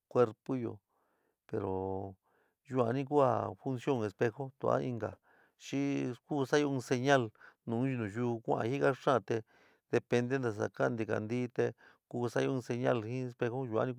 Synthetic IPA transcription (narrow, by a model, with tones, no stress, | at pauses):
kʷe˧ɾpo˦jo̰˧˨ | pe˨ɾo˨ | ʒu˧a˨˧nĩ˦k̬u˦a̰˧fu˧nsjo˦˧ŋe˧spe˧xo˦t̪ṵ˧˨a̰˦ĩ˧ŋɡa̰˨ | ʃi˦kuː˦sa˦jo˧ũ˧se˧ɲa˦˧lnũ˨˦ʒu˧nũ˨ʒu˧kʷʔã̰˧hi˦ɣa˦ʂã˦˧t̪e˧ | ð̥e˧pe˧nd̪e˦nd̪a˨s̬a̰˨kã˦˧nd̪i˧ka̰˨nd̪i˦t̪e˧ | kuː˧sa˦jõ˧se˧ɲa˦˧lhĩ˦e˧spe˧xo˦ʒu˧a̰˧nĩ˧